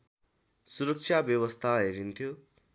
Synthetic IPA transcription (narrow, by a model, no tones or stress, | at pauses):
suɾʌk̚t͡ʃʰabjʌbʌst̪ʰaɦeɾint̪ʰjo